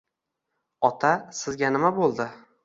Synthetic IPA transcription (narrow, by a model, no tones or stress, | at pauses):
ɒt̪ʰasɪzɡʲanɪmabolˠd̪ɪ